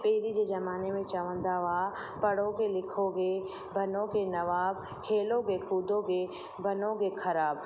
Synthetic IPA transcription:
peːɾid͡ʑeːd͡ʒɐmaːnemẽt͡ʃaʋə̃nd̪aʋa | pɐɽoɡelɪkʰoɡe | bʱɐnoɡenɐʋaːb̚ | kʰeːloɡekuːd̪oɡe | bɐnoɡekʰɐɾaːb̚

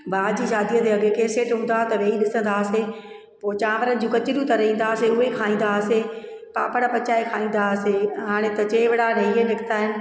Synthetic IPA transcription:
baːd͡ʑiːʃaːd̪ijət̪eɐɡʱekeːseːʈɦũːn̆d̪at̪ɐʋeːiɗɪsə̃n̆d̪aːse | poːt͡ɕaːʋəɾənɪ̆d͡ʑũːkɐt͡ɕɪɽũt̪ɐɾɐĩːn̆d̪aːseʊɦekʰaːĩːn̆d̪ase | pa̰ːpəɽ̃apɐt͡ɕaːekʰaːĩːn̆d̪aseɦaːɽ̃ẽt̪ɐt͡ɕeːʋɪɽaɾɐɦiənɪkʰɪ̥t̪aːɦɪnɪ̆

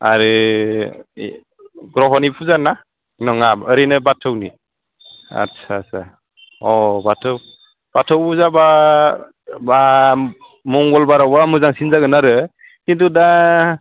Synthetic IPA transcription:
a̰ɾɯ | ɡɾɔɦɔnipʰuzana | nɔŋabəɾinɯbatʰɯwni | a̰tsʰasʰa | ɔbatʰɯw | b̥atʰɔwuzaba | ba | mɔŋɡɔlbaɾawamɯzaŋsinzaɡɯnaɾɯ | kintuda

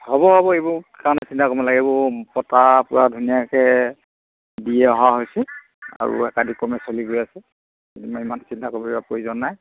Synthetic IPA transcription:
hɔbɔbʱabɔebʊkanɛsintakɔbɔlaɡɛbɔpɔtapʊɹadʱunijakɛ | dijɛɔɦaɦojsɛ | a̰ɹṵɛkadikɔmɛsoliɡojasɛ | edimaimansintakɔbibapoizɔnːaj

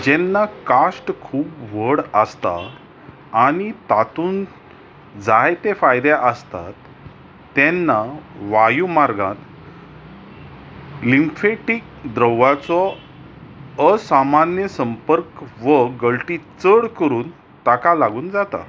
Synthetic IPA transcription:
d͡ʑɛnːakasʈkʰuːpʋəɽəst̪a̰ː | ɽ̃it̪at̪uːn | d͡zajt̪efajd̪eʔəst̪a̰t̪ː | ɛ̃nːaʋajumaɾɡãt̪ | limfeʈik̚ | d̪ɾəwʋat͡sɔ | əsamanjəsəmpəɾkʋəɡəɭʈit͡səɽkəɾuːn | t̪akalaɡuːnd͡zat̪a̰

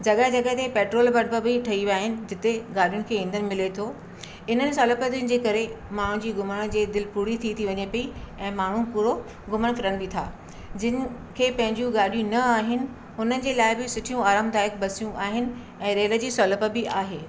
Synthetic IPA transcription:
d͡ʑɐɠɦɪd͡ʑɐɠəɦt̪epeːʈɾoːlbɐɽpəbɪʈʰɐiʋaːɦɪnɪ̆d͡ʑɪt̪eɡaːɽijʊnɪ̆kʰeːĩːnd̪ənɪ̆mɪlet̪ʰoː | ɪnənɪ̆sɔːləpət̪jʊnɪ̆d͡ʑeːkɐɾe | maːɳ̤ũd͡ʑiːɡʊməɽ̃d͡ʑeːd̪ɪlpuːɽit̪ʰit̪ʰiʋɐɲepɐiɛ̃ːmaːɳ̤ũpʊɾo | ɡʊməɽ̃fɪɾəɽ̃̆bɪt̪ʰa̰ː | d͡ʑɪnɪ̆ | kʰeːpɐ̃ɦɪ̃ɲd͡ʑjũɡaːɗijũnɐaːɦɪnɪ̆ | ʊnənɪ̆d͡ʑeːlaːɪbɪsʊʈʰijũaːɾaːmd̪aːjɪkbɐsijũʔaːɦɪnɪ̆ | ɛ̃ːɾeːlə̆d͡ʑiːsɔːləpəbɪaːɦeː

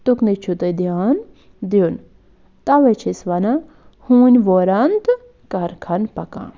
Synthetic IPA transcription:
t̪uknit͡ʃʰut̪əd̪ijan | d̪jun | t̪aʋet͡ʃʰisʋɐna | hũːnʲʋoɾɐnt̪ | kɐɾkʰɐnpɐkã̰

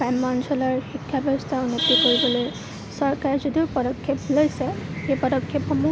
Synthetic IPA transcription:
amːansʰɔlɔɹxikʰːjabʱɔstʰaunopikoɹibɔloj | sɔɹkaɹɛzɔdiʊpɔdɔkʰːjɔplojsɛxejpɔdɔkʰːjɔpxɔmu

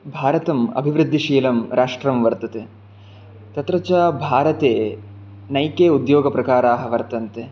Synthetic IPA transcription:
bʱaːɾɐt̪ɐmɐ̰bʱiʋɾɨd̪ʱːiʃiːlɐmɾaːʂʈɾɐmʋɐɾt̪ɐt̪e | t̪ɐt̪ɾɐt͡ʃaːbʱaːɾɐt̪eː | nɐjkeːud̪joːɡɐpɾɐkaːɾaːɦɐʋɐɾt̪ɐnt̪e

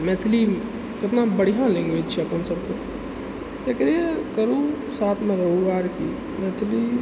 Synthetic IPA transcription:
met̪ʰli | kət̪nabəɽijãlẽŋɡʋed͡ʒt͡ʃʰɛɐpənsəbke | t̪ekəɾiekəɾũsaːt̪ʰmẽɾəɦuʋaːɾki | meːt̪ʰli

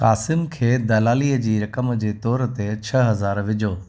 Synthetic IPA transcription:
kaːsɪmkʰeːd̪ɐlaːliːəd͡ʑiːɾɐkəmd͡ʑeːt̪ɔːɾt̪et͡ɕʰɐɦɐzaːɾʋɪd͡ʑoː

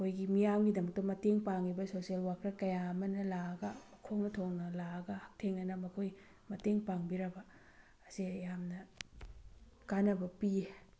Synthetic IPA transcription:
kʰojɡimijamɡidɐmɐk̚tɐmɐteŋpaŋibɐsosielwakɾɐkɐjamɐnɐlaɡɐmɐkʰoŋnɐtʰoŋnɐlaɡɐhak̚tʰeŋɐnɐmɐkʰoj | mɐteŋpaŋbiɾɐbɐː | sijamnɐ | kanɐbɐpie

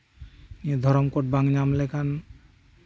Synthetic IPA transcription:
nied̪ʱɔɾɔmkoʈ̚baŋɲamlekʰan

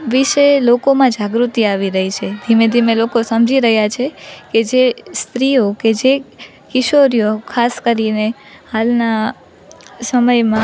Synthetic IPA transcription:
ʋiʃelokomãd͡ʒaɡɾut̪iaʋiɾəɦit͡ʃʰed̪ʱimed̪ʱimelokosəmd͡ʒʱiɾəɦjat͡ʃʰeked͡ʒest̪ɾioked͡ʒe | kɪʃoɾijokʰaskəɾine | halna | səməjmã

